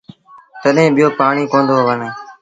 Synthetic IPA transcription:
t̪əɗɦẽːɓɪjoːpaːɳiːkõːnd̪oːɦʋənẽː

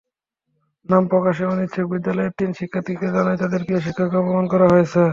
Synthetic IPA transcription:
nampɾɔkaʃeonit̪ːɕʰok̚bid̪ːalɔeɾt̪inʃikʰːat̪iked͡ʑalaet̪ad̪eɾpiaʃ̬ikʰːakɔpomonkɔɾaɦoet͡ɕʰe

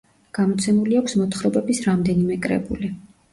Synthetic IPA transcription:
ɡ̥amɔt̪sʰɛmuliakʷʰsmɔt̪ʰχɾɔbɛbisɾamd̪ɛnimɛkʼɾɛ̰bṵli

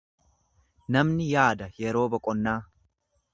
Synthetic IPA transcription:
nɐmnɪjaːd̪ɐjɛɾo̞ːbɐkʼɔnːaː

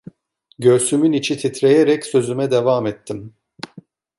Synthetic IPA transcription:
ɟø̞ɾsymynit͡ʃʰit̪ʰit̪ɾejeɾɛcsø̞zymɛd̪evaːmɛt̪ʰːim

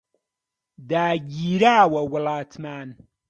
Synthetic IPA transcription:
daːɡiːɾaːwawalaːtʰmaːn

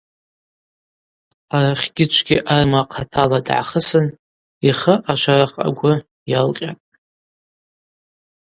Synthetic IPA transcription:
araχʲɡ̥ʲɪt͡ʃʷʰɡʲiʔarɨmaqʰatʰaladʕa̰χəsɨn | iχəʔaʃʷaraqʼa̰ɡʷʊ | jalqʲʼatʼ

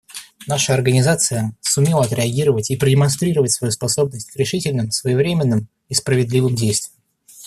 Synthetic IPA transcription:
naʂəɐrɡənʲɪzat̪sɨjəsʊmʲelˠəɐt̪ɾʲɪɐɡʲiɾəvətʲipɾədʲɪmɐnst̪ɾʲiɾəvətʲsvɐjuspɐso̞b̚nəsʲtʲkɾʲɪʂɨtʲɪlʲnɨmsvəjɪvɾʲemʲɪnːɨm | ispɾəvʲɪd̪lʲivɨmdʲejst̪vʲɪjəm

